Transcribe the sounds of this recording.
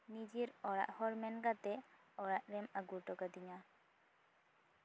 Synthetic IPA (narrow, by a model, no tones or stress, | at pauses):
nid͡ʒiɾɔɾa̰ʔhɔɾmɛnɡat̪ɛ | ɔɾaʔɾɛmaɡuɾʈɔkad̪iɲa